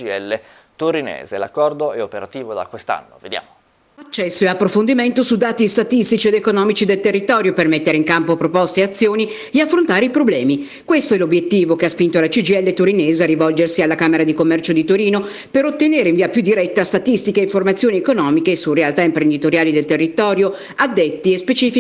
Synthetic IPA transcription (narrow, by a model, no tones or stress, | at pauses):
iɛlːe | t̪uɾinḛːzḛla̰kːɔrd̪oɛopeɾat̪iːvod̪a̰kwest̪a̰nːo̰ved̪ja̰ːmo | at͡ʃːɛsːoeapːɾofond̪iment̪osud̪aːt̪ist̪at̪ist̪it͡ʃied̪ekonɔːmit͡ʃid̪elt̪erːit̪ɔːɾjopermet̪ːeɾeiŋkampopɾopɔst̪eat̪sːjoːni | d̪eafːɾont̪aːɾeipɾoblɛːmi | kwest̪oɛlobjet̪ːiːvokeaspint̪oalat͡ʃid͡ʒiɛlːet̪oɾineːzearivɔld͡ʒersialːakaːmeɾad̪ikomːɛrt͡ʃod̪it̪oɾiːno | peɾot̪ːeneːɾeiɱviːapjud̪ːiɾɛt̪ːast̪at̪ist̪ikeiɱformat̪sːjoːniekonɔːmikeːsurealt̪aimpɾend̪it̪oɾjaːlid̪elt̪erːit̪ɔːɾjo | ad̪ːet̪ːiespet͡ʃiːfi